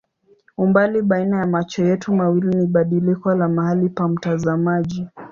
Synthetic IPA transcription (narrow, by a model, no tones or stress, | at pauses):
umbaliɓainajamat͡ʃɔjɛtumawiliniɓaɗilikɔlamahalipam̩tazamaʄi